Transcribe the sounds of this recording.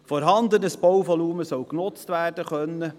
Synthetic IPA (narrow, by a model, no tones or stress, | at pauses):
fɔɾɦɑnd̪ənəsb̥ɔwvɔluːməsɔwknʊt͡stʋæːrdəχœnːə